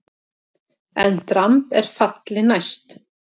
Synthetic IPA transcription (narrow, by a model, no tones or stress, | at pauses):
ɛnt̪ɾampɛɾ̥fat̪lɪnajst̪